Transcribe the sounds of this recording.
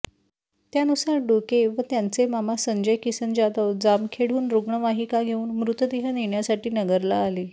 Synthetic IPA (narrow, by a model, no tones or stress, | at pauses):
t̪janusaɾɖokeʋət̪jant͡semamasəɲd͡ʑəjkisənd͡ʑad̪əʋd͡zamkʰeɽ̤uːnɾoɡɳəʋaɦikaɡʱeuːnmɾut̪əd̪iɦəneɳjasaʈiːnəɡəɾlaːliː